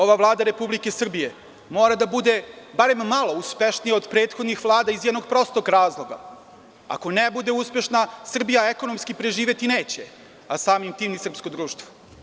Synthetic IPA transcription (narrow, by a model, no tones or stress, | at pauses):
o̞ʋaʋlˠaːd̪aɾe̞publike̞sr̩bije̞ | mo̞ːɾad̪abud̪e̞baɾe̞mːalˠo̞uspeʃnijao̞d̪pɾeːt̪xo̞d̪nixʋlˠaːd̪aizjɛd̪noɡpɾo̞st̪okɾaːzlˠoɡa̰ | a̰ko̞nebud̪e̞uspe̞ʃnasr̩bijaeko̞no̞mskipɾe̞ʒiːʋe̞t̪ineːt͡ɕe | asaːmimt̪iːmnisr̩psko̞d̪ɾuːʃt̪ʋo̥